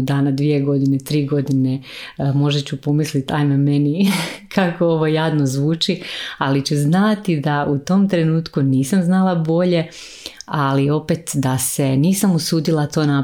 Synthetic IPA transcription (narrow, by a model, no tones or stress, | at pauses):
d̪aːnad̪ʋie̞ɡo̞d̪inet̪ɾiːɡo̞d̪inemo̞ʒet͡ɕupo̞mislit̪ajnamenikʰakooʋo̞jaːd̪nozʋuːt͡ʃialit͡ɕuznat̪id̪aʔut̪o̞mt̪ɾe̞nuːt̪kuniːsamznalˠabo̞ʎe̞ | alio̞pet̪d̪ase̞niːsamusuːd̪ilˠat̪o̞ːna